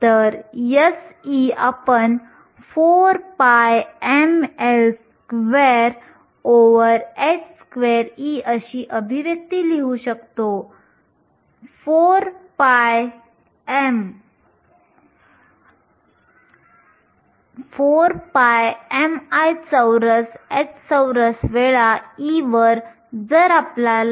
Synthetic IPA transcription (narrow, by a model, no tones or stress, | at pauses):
t̪əɾjəsiapəɳ | foɾpajemels | kʋeɾ | oʋəɾetskʋeɾiəɕiːʔəbʱiʋjək̚t̪iːliɦuɕəkt̪o | foɾpaj | em | foɾpajemajt͡səwɾəseʈt͡səwɾəsʋeɭaiʋəɾ | d͡zəɾapla